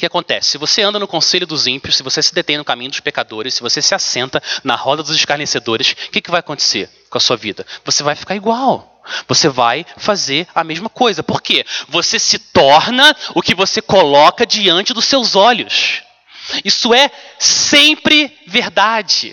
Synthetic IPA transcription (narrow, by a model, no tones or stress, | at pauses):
ʊkɪakõnt̪ɛ̰sɪ̥sɪvoseɐ̃d̪ɐnʊkõselʊd̪ʊzĩpiʊʃsɪvosesɪd̪et̪ẽj̃nʊkamĩɲʊd̪ʊʃpekad̪oɾɪssɪvosesɪasẽnt̪ɐnɐ̰hɔd̪ɐd̪ʊzɪʃkaɾnesed̪oɾɪskɪkɪvajakõnt̪e̥se | kõɐsuɐvḭd̪ɐvosevajfi̥kaɾiɡwaw | voseva̰jfazeɾɐmeʒmɐkojzɐpoɾkevosesɪt̪ɔɾnɐʊkɪvosekolɔkɐd͡ʒiɐ̃nt͡ʃɪd̪ʊsewzɔʎʊs | isʊɛsẽmpɾɪ | veɾd̪ad͡ʒɪ̰